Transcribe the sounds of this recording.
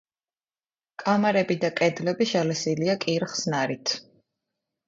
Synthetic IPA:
kʼamaɾɛbid̪akʼɛd̪lɛbiʃalɛsiliakʼiɾχsnaɾit̪ʰ

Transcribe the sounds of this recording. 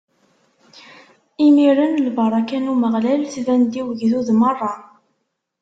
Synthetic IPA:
imiɾənlbɑɾˤɑkænuməʁlælθvænd̪iwəʝðuðmərˤːɑ

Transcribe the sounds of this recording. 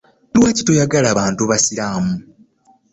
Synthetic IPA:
lwaːci̥tojaɡalaːβaːntuβasiɾaːmu

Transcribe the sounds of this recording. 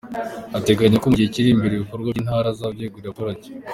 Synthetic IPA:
ate̞ɡaɲakomuɟiheciɾiːmbiɾeβikoɾɡwainhaːɾazabɟeːɡoakoɾaɟe̥

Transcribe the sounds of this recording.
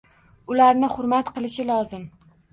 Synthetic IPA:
ʊlaɾnɪχʊɾmat̪qɨlˠɪʃɪlˠɒzɪm

